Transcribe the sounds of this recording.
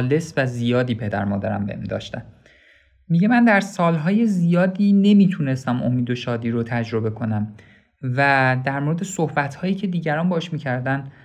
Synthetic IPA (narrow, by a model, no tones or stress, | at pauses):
le̞svæzijɒːd̪iːpʰe̞d̪æ̰ɾmɒːd̪æɾæ̰mbḛmd̪ɒ̰ːʃt̪æm | miɟe̞mænd̪æɾsɒːlɦɒːje̞zijɒːd̪iːne̞miːt̪ʰune̞st̪æmʔo̞̰miːd̪o̞ʃɒːd̪iːɾot̪ʰæd͡ʒɾo̞be̞kʰo̞næm | væd̪æɾmoɾe̞d̪e̞so̞hbæt̪ʰhɒːjiːcʰe̞d̪iːɟæɾɒːnbɒːheʃmiːcʰæɾd̪æn